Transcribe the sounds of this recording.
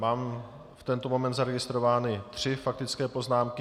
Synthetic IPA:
maːm | ft̪ɛnt̪omo̞mɛnd̪zaɾɛɡɪst̪ɾovaːnɪt̪r̝̥ɪfak̚t̪ɪt͡skɛːpo̞znaːmkɪ

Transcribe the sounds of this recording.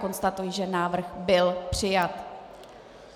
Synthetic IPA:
ko̞nst̪at̪ujɪʒɛnaːvr̩xbɪlpr̝̥ɪjat̪

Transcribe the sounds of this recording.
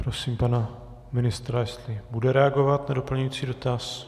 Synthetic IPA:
pɾosiːmpana | mɪnɪst̪ɾajɛst̪lɪbudɛɾɛaɡo̞vat̪nado̞pl̩ɲujit͡siːdo̞t̪as

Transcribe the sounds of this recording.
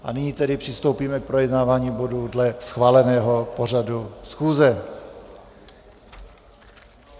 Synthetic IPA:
ʔa̰nɪɲiːt̪ɛdɪpr̥ɪst̪o̞wpiːmɛk̚pɾojɛdnaːvaːɲiːbo̞dudlɛsxvaːlɛnɛːɦo̞po̞r̝adusxuːzɛ

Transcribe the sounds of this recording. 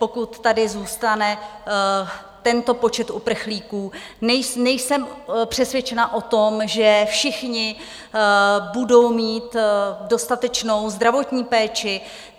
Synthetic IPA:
po̞kut̪ːadɪzuːst̪anɛ | t̪ɛnt̪o̞po̞t͡ʃɛt̪upr̩xliːkuː | nɛjnɛjsɛmpr̝̥ɛsvjɛt͡ʃɛnaʔo̞t̪o̞mʒɛfʃɪxɲɪ | budo̞wmiːt̪do̞st̪at̪ɛt͡ʃno̞wzd̪ɾavo̞t̪ɲiːpɛːt͡ʃɪ

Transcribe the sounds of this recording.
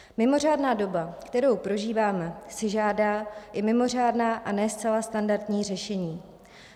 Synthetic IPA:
mɪmo̞r̝aːdnaːdo̞bakt̪ɛɾo̞wpɾo̞ʒiːvaːmɛsɪʒaːdaːʔɪmɪmo̞r̝aːdnaːʔanɛːst͡sɛlast̪andaɾt̪ɲiːr̝ɛʃɛɲiː

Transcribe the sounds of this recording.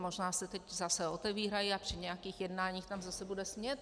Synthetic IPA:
moʒnaːsɛt̪ɛczasɛo̞t̪ɛviːɾajiapr̥ɪɲɛjakiːxjɛdnaːɲiːxt̪amzasɛbudɛsmɲɛt̪̚

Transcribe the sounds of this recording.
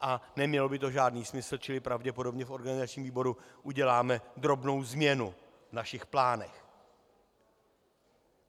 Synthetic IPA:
ʔanɛmɲɛlobɪt̪o̞ʒaːdniːsmɪsl̩t͡ʃɪlɪpɾavɟɛpo̞do̞bɲɛfʔo̞ɾɡanɪzat͡ʃɲiːmviːbo̞ɾuʔuɟɛlaːmɛd̪ɾo̞bno̞wzmɲɛnu | vnaʃɪxplaːnɛx

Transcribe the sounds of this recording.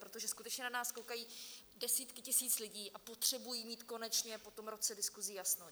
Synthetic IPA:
pɾo̞t̪o̞ʒɛskut̪ɛt͡ʃɲɛnanaːskowkajiːdɛsiːt̪kɪcɪsiːt͡slɪɟiːʔapo̞t̪r̥ɛbujiːmiːt̪ko̞nɛt͡ʃɲɛpo̞t̪o̞mɾo̞t͡sɛdɪskuzijasno

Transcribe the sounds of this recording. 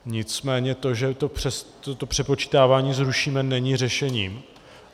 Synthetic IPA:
ɲɪt͡smɛːɲɛt̪o̞ʒɛt̪opr̝̥ɛst̪ot̪opr̝̥ɛpo̞t͡ʃi̥ːt̪aːvaːɲiːzɾuʃiːmɛnɛɲiːr̝ɛʃɛɲiːm

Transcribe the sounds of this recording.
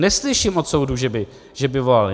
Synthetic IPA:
nɛslɪʃɪmʔot̪sowduʒɛbɪ | ʒ̥ɛbɪvolal

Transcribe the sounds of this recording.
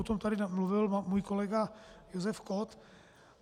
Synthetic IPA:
ot̪omt̪adɪmluvɪlmuːjkolɛɡajozɛfkot̪

